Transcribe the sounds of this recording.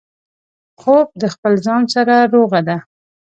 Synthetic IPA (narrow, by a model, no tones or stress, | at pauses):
xob̚d̪əxpəlzɑnsaɾaɾoɣad̪a